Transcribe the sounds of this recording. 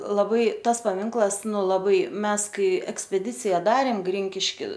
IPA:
lˠɐˈbɐɪ ˈtɐs pɐˈmʲɪŋklˠɐs ˈnʊ lˠɐˈbɐɪ ˈmʲɛs ˈkɐɪ ɛksʲpʲɛˈdʲɪt͡sʲɪjɛ ˈdɑːrʲeːm ˈɡrʲɪŋʲkʲɪʃʲkʲɪ

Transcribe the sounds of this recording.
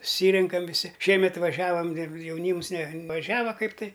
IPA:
sʊˈsʲiːrʲɛŋkɐm ʋʲɪˈsʲɪ ˈʃʲiɛmʲɛt ʋɐˈʒʲæːʋɐm jɛʊˈnʲiːms nʲɛʋɐˈʒʲæːʋɐ ˈkɐɪp tɐɪ

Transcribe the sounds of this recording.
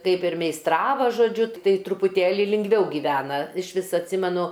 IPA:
ˈkɐɪp ɪr mʲɛɪsˈtrɑːʋɐ ʒoːˈd͡ʒʲʊ ˈtɐɪ trʊpʊˈtʲeːlʲɪ lʲɪŋɡˈʋʲɛʊ ɡʲiːˈʋʲæːnɐ ɪʃ ˈʋʲɪs ɐtʲˈsʲɪmʲɛnʊ

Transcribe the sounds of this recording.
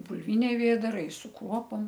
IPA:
bʊlʲˈʋʲɪnʲɛɪ ˈʋʲeːdɐrɐɪ sʊ ˈkruɔpoːm

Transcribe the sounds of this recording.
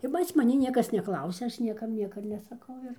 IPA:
ɪr pɐs mɐˈnʲɪ ˈnʲiɛkɐs nʲɛˈklˠɐʊsʲɛ ˈɐʃ ˈnʲiɛkɐm ˈnʲiɛkɐ nʲɛsɐˈkɐʊ ɪr

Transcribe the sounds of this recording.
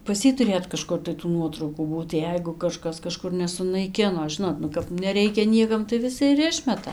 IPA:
pɐs ˈjiː tʊˈrʲeːt kɐˈʃkʊr tɐɪ tuː ˈnuɔtrɐʊkuː ˈbuːt ˈjɛɪɡʊ kɐˈʃkɐs kɐˈʃkʊr nʲɛsʊnɐɪˈkʲɪnoː ˈʒʲɪnoːt nʊ kɐp nʲɛˈrʲɛɪkʲɛ ˈnʲiɛkɐm tɐɪ ʋʲɪˈsʲɪ ɪr ˈɪʃʲmʲɛtɐ

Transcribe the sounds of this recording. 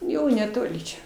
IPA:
ˈjɛʊ nʲɛˈtoːlʲɪ t͡ʃʲɛ

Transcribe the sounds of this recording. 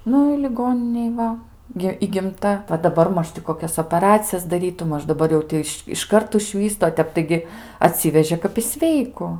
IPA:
ˈnʊ ɪ lʲɪˈɡoːnʲɪnʲeːj ˈʋɐ ɡʲɪ iːɡʲɪmˈtɐ ʋɐ dɐˈbɐr ˈmɐʃ tʲɪ koːˈkʲɛs oːpɐˈrɑːt͡sʲɪjɛs dɐˈrʲiːtʊ ˈmɐʃ dɐˈbɐr jɛʊ ˈtʲɪ ɪʃ ɪʃˈkɐrt ʊʒʲˈʋʲiːstʊ oː ˈtʲɛp tɐɪˈɡʲɪ ɐˈtʲsʲɪʋʲɛʒʲeː kɐp ɪ ˈsʲʋʲɛɪkʊ

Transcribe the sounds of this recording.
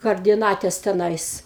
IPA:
kɐrʲdʲɪˈnɑːtʲɛs tʲɛˈnɐɪs

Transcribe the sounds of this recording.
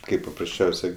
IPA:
ˈkɐɪp pɐprɐsʲˈt͡ʃʲɛʊsʲɛɪ

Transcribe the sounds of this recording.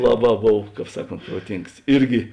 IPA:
ˈlˠɑːˌbɑː ˈboːw ˈkɑːp ˈsɑːˌkoːnt proːˈtʲɪŋks ˈɪrʲɡʲɪ

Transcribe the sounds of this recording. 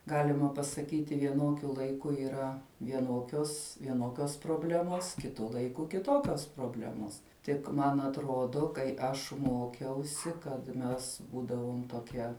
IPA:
ˈɡɑːlʲɪmɐ pɐsɐˈkʲiːtʲɪ ʋʲiɛˈnoːkʲʊ lˠɐɪˈkʊ iːˈrɐ ʋʲiɛˈnoːkʲoːs ʋʲiɛˈnoːkʲoːs proːˈbʲlʲæːmoːs kʲɪˈtʊ lˠɐɪˈkʊ kʲɪˈtoːkʲoːs proːˈbʲlʲæːmoːs ˈtʲɪk ˈmɐn ɐtˈroːdoː kɐɪ ˈɐʃ ˈmoːkʲɛʊsʲɪ kɐt ˈmʲɛs ˈbuːdɐʋoːm toːˈkʲiɛ

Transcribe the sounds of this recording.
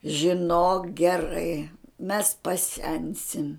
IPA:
ʒʲɪˈnoːk ɡʲɛˈrɐɪ mʲɛs pɐˈsʲɛnʲsʲɪm

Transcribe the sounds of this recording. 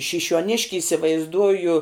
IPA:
ʃʲɪʃʲuɔˈnʲɪʃʲkʲɪ ɪsʲɪʋɐɪzˈduɔjʊ

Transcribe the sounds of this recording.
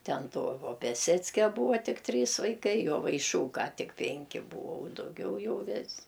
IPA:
ˈtʲɛn ˈtoː oː pʲɛˈsʲæːt͡sʲkʲɛ ˈbuːɐ ˈtʲɪk ˈtʲrʲiːs ʋɐɪˈkɐɪ joːʋɐɪˈʃuːkɐ ˈtʲɪk ˈpʲɛŋʲkʲɪ ˈbuːoː dɐʊˈɡʲɛʊ ˈjɛʊ ˈʋʲɪsʲ

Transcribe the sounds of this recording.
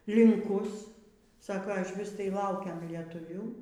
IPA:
lʲɪŋˈkʊs ˈsɑːkoː ɪʃʲˈʋʲɪs tɐɪ ˈlˠɐʊkʲɛm lʲiɛtʊˈʋʲuː

